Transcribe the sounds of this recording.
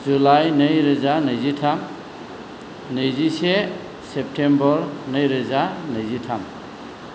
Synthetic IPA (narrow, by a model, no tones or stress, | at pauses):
zulajnɯjɾɯzanɯjzitʰam | nɯjzise | sep̚tʰembɔɾnɯjɾɯzanɯjzitʰam